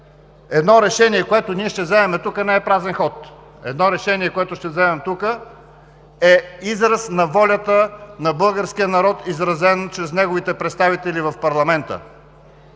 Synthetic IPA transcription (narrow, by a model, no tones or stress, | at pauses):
ɛd̪nɔɾɛʃɛniɛkoɛt̪ʊniɛʃt̪ɛvzɛɛmɛt̪ukənɛɛpɾazɛnxɔt̪ | ɛ̰d̪nɔɾɛʃɛniɛkoɛt̪ʊʃt̪ɛvzɛmɛmt̪ukə | ɛizɾɐsnɐvɔlʲət̪ənɐbɤlˠɡəɾskijənɐɾɔt̪izɾɐzɛnt͡ʃɾɛsnɛɡovit̪ɛpɾɛt̪st̪avit̪ɛlivɐfpɐɾlˠɐmɛnt̪ə̰